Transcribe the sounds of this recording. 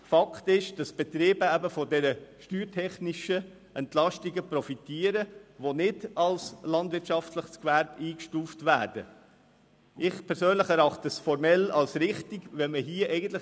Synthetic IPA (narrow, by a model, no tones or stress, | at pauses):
fɑkʰtɪʃd̥ɑsb̥ɛt̪ɾeːbəæbəfɔdɛɾəʃtyːɾtʰɛχniʃə | ɛntlɑʃtiɡəpɾɔfitiːəɾəʋonɪdɑlslɑndvɪɾtt͡ʃɑftləχskvæɾbiːkʃtuːftvæːɾd̥ə | ʔɪχpʰɛɾsøːnləχɛɾɑχtəsfɔɾmɛlɑlsɾɪχtiɡ̥ʋɛməɦiəʔɛɪɡən̩tlɪ